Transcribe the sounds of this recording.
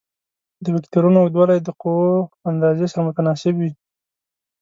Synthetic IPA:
d̪əwɪkt̪ʊɾunoad̪walajd̪əqowoand̪ɑzesaɾamʊt̪anɑsɪbwi

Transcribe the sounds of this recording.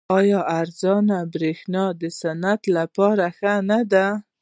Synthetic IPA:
ɑjɑaɾzɑnabɾexnɑd̪əsanat̪lapɑɾaxanad̪a

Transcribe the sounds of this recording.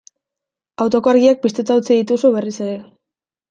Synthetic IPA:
awt̪o̞koaɾɣiak̚pist̪ot͡s̪auwt͡siðit̪usuβe̞rise̞ɾe̞

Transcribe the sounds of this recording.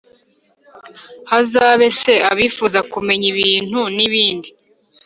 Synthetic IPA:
hazaːβe̞se̞a̰βifuːzakume̞ɲiβiːn̥huniβiːndi

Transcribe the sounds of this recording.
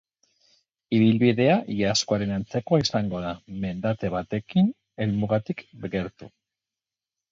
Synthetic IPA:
iβilβiðe̞aʝaskoaɾe̞nant͡se̞ko̞isaŋɡo̞ðame̞nd̪at̪e̞βat̪e̞kin | e̞lmuɣat̪ikɡe̞ɾt̪ṵ

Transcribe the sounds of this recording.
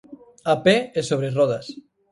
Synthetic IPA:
apeesoβɾeroðas

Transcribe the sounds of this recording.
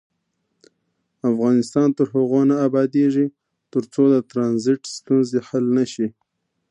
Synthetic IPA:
afɣɑnɪst̪ɑnt̪əɾhaɣonaːbɑd̪eʐi | t̪əɾt͡sod̪ət̪ɾɑnzɪʈst̪unzehalnaʃi

